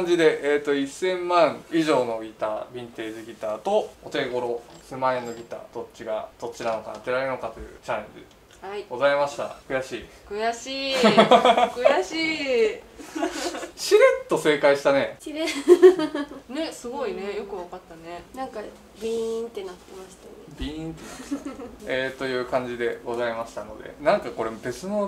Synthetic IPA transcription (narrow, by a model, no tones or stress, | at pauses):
aɲ̟d͡ʑid̪e̞ʔeːt̪ːo̞isːẽ̞mmãɰ̃iʑo̞ːno̞ɡʲit̪aːbʲĩnt̪e̞ːʑiɡʲit̪aːt̪o̞ot̪e̞ɡo̞ɾo̞semãẽnːo̞ɡʲit̪a̰ːd̪̥o̞t͡ɕːiɡad̪̥o̞t͡ɕːinano̞ka̰ːt̪e̞ɾaɾeɯno̞kat̪o̞jɯ̟̰t͡ɕãnẽɲdḭ | aiɡ̥o̞zaimaɕi̥t̪a̰kɯ̟jaɕiː | kɯ̟jaɕiː | kɯjai | ɕiɾet̪ːo̞se̞ːkaiɕi̥t̪ane̞ɕiɾe | ne̞sɨɡo̞ine̞jo̞kɯ̟βakat̪ːane̞nãŋka | bʲĩnt̪e̞nat̪ːe̞maɕi̥t̪anebʲĩĩnt̪e | et̪o̞jɯ̟ːkãɲ̟d͡ʑid̪e̞ɡo̞zaimaɕi̥t̪ano̞̰d̪e̞̰nãŋkako̞ɾe̞be̞t͡sɨno